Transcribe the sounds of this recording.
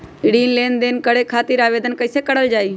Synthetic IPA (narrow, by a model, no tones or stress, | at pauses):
ɽiːnleːnd̪eːnkəɽeːkʰaːt̪iːɾaːʋeːd̪ənkəɪseːkəɽəld͡ʒaːiː